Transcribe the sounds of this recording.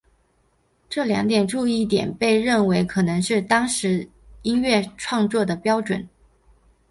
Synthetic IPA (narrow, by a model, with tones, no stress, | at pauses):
ʈ͡ʂɤ˥˩ljɑ̰˧˥ŋt̪̬jɛ˨˩nʈ͡ʂu˥˧i˥˩t̪̬jɛ̰˨˩npe˥˧ɪɻə˥˩nwe˧˥ɪkʰɤ˨˩nɤ˧˥ŋʂɻ̩˥˩t̪ɑ˥ŋʂɻ̩˧˥ | i˥nɥɛ˥˩˧ʈ͡ʂʰwɑ˥˧ŋt͡swɔ˥˩d̪ə˩pjɑ˥ʊʈ͡ʂwə̰˨˩˦n